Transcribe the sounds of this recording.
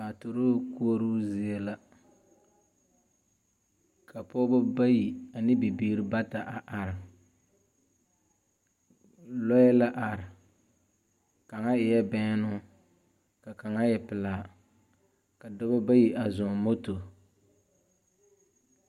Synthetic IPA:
a˨to˨ɾo˦ku˦o˦ɾu˦zɪ˦e˦la˦ | kʰa˨pɔ˦bʊ˦ba˦ji˨a˨nɨ˦bi˨biː˦ɾɨ˦ba˦ta˨ʔa˨ʔa˨ɾɪ˨ | lɔ˦jɛ˦la˦ʔa˨ɾɪ˨ | ka˨ŋa˦ɪ˨jɛ˦bɛ˦nʊ˦ | ka˨ka˨ŋa˦jɛ˨pɪ˨laː˨ | ka˨dɔ˦ba˦ba˦ji˨ʔa˨zɔ˨mo˦to˨

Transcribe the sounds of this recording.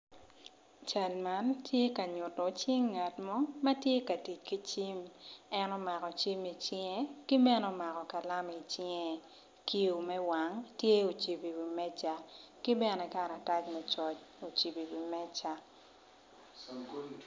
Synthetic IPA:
t͡ʃa˨lma˦ntʰje˦ka˨ɲʊ˨tɔ˨t͡ʃi˦ŋːa˨tmɔ˦ma˦tje˦ka˨ti˨t͡ʃki˦t͡ʃi˦mɛ˦nɔ˦ma˨kɔ˨t͡ʃi˦mi˨t͡ʃɪ˦ŋɛ˦ki˦bɛ˦nɔ˦ma˨kɔ˨ka˨la˦mi˨t͡ʃɪ˦ɛ˨ | ki˦u˨mɛ˦wa˨ŋtje˦o˨t͡ʃi˨bi˨wi˨mɛ˦t͡ʃa˦ki˦bɛ˦nɛ˨ka˦ɾa˨ta˦t͡ʃmɛ˦t͡ʃɔ˨t͡ʃ | o˨t͡ʃi˨bi˨wi˨mɛ˦t͡ʃa˨

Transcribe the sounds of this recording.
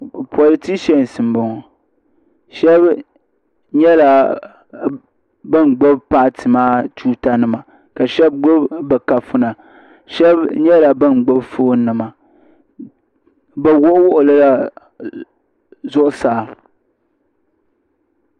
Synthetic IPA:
pɔ˨lɨ˨ti˦ʃɛ˦n˨sɨ˨m˨bɔ˨ŋɔ˨ | ʃɛ˦b | ɲɛ˦la˨ | bɨ˦nɡ͡bo˦bpa˦ʔtʰɨ˨maː˦tuː˦ta˦nɨ˦ma˨ | ka˨ʃɛ˦b̚ɡo˦bbɨ˨ka˨fʊ˦na˨ | ʃɛ˦bɲɛ˦la˨bɨ˦nɡ͡bo˦bfoː˦nɨ˨ma˨ | bɛ˨wʊ˦ʔʊ˦wʊ˦ʔʊ˨lɨ˦la˦ | zʊ˦ʔʊ˦saː˨˦˨

